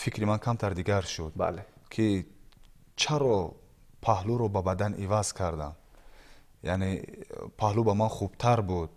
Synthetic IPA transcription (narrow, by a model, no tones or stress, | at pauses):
fikʰɾimankʰamt̪ʰaɾd̪iɡaɾʃud̪ba̰lekʰi | t͡ʃʰaɾɔ | pʰahluɾɔbabad̪anivaz̥kʰaɾd̪am | ja̰nepʰahlubamanχubt̪ʰaɾbud̪̚